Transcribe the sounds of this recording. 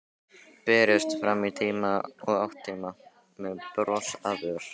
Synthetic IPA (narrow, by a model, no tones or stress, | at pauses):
pɛːɾɪst̪fɾamːit̪ʰiːmaɔɣawht̪ʰːiːma | mɛðpɾɔsavʏɾ̥